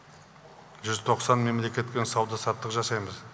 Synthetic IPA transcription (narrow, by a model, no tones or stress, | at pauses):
ʒʏzt̪ʰo̞qsɑnme̞mle̞kʲe̞t̪̚kʲensɑwd̪ɑsɑt̪ːəqʒɑsɑjməz